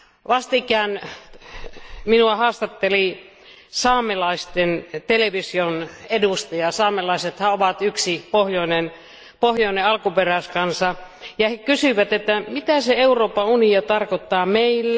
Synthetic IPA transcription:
ʋɑst̪ikˑæˑːn | minuɑhɑːst̪ɑt̪ːeli | sɑːmelɑist̪ent̪eleʋisionedust̪ɑjɑsɑːmelɑiset̪hæoʋɑt̪yksipohjoinen | pohjoˑineɑlkuperæskɑnsɑjɑhekysyʋæt̪et̪ːæmit̪æseeuroːpːɑuniot̪ɑrkot̪ːɑːmeilː

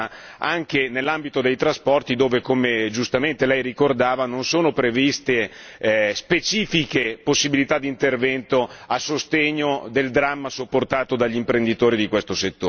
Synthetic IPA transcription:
aŋkenelːambit̪od̪ejt̪ɾaspɔrt̪id̪oːvekomed͡ʒust̪ament̪elɛjrikord̪aːvanonsoːnopɾevist̪e | spet͡ʃiːfikeposːibilit̪ad̪ːint̪ervɛnt̪oasːost̪eɲːod̪eld̪ɾamːasopːort̪aːt̪od̪aʎːimpɾend̪it̪oːɾid̪ikwest̪oset̪ːoː

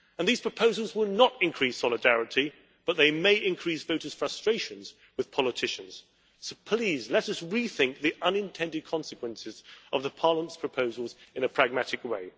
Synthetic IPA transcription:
ə̃nðiz̥pʰɹ̥əpʰoʊzl̩ˠzwɪlˠnəɾɨ̃nkʰɹ̥isɑlˠɨdæɹɨɾi | b̥ʌt̪̚ðeɪmeɪʔɪ̃nkʰɹ̥isv̥oʊɾəz̥fɹʌstɹ̥eɪʃɨ̃nz | wɨð̥pʰɑlˠətʰɪʃɨ̃nz̥ | soʊpʰl̥izlɛɾʌsɹiθɪ̃ŋk̚ðiʔʌ̃nɨ̃ntʰɛ̃ndɨd̚kʰɑ̃nsɨkwə̃nsɨzʌvðəpʰɑɹləmə̃ntspʰɹ̥əpʰoʊzəl̩ˠzɨ̃nɨpʰɹ̥æɡ̚mæɾɨkweɪ

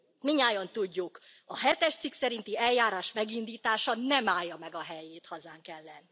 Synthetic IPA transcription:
miɲaːjont̪uɟːuk | ɒɦɛt̪ɛʃt̪siksɛɾint̪iɛljaːɾaːʃmɛɡind̪iːt̪aːʃɒnɛmaːjːɒmɛɡɒɦɛjeːt̪hɒzaːŋkɛlːɛnːi

